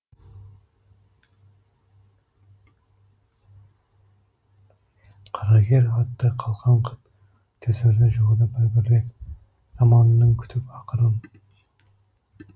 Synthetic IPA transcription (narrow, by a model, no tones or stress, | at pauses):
qʰɑɾɑɡʲeɾɑt̪ːəqʰɑlˠʁɑɴqʰəp̚ | t̪ʲʰɵzeɾnɪʒoʁəd̪ɑbɪɾbɪɾle | z̥ɑmɑnnːəŋkʲʰʏ̥t̪ʰɪpɑqʰəɾən